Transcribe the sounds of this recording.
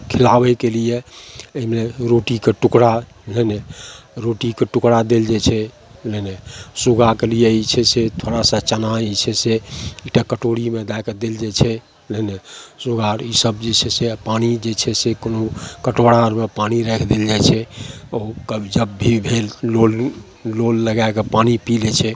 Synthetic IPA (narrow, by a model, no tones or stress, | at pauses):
kʰilabɛkelijeəmeɾoʈikeʈukɽa | ləneɾoʈikeʈukɽad̪eld͡ʒet͡ʃʰɛ | lənesuɡakelijeit͡ʃʰɛset̪ʰoɽasət͡ʃənait͡ʃʰɛseekʈakəʈoɽimed̪ajked̪eld͡ʒet͡ʃʰɛ | lənesuɡaɾisəbd͡ʒet͡ʃʰɛsepanid͡ʒet͡ʃʰɛsekonokəʈoɽaɾmepaniɾɛkʰd̪eld͡ʒajt͡ʃʰɛokəbʱid͡ʒəbːʱibʱelːolː | olːəɡaekepanipilɛt͡ʃʰɛ